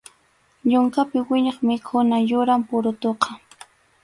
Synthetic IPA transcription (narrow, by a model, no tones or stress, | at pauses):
ʎʊŋkapɪwɪɲɑχmɪkʰʊnajʊɾampʊɾʊt̪oqɑ